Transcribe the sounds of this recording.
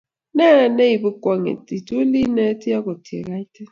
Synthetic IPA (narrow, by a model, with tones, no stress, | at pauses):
na˦˨ne˦ji˨bu˦kɔ˦ŋḛ˨ti˨to˦li˦nɛ˦ti˦ja˦kɔ˨tʰi˨ḛ˨ka˦i˦tɛ˦